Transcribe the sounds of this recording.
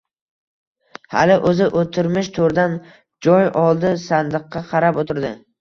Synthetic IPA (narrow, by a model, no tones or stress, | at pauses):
ha̰lɪʔɵzɪʔot̪ʰɪɾmɪʃt̪ʰoɾd̪an | d͡ʒɒjɒlˠd̪ɪsand̪ɨqːɑqʰɑɾapot̪ʰɪɾd̪ɪ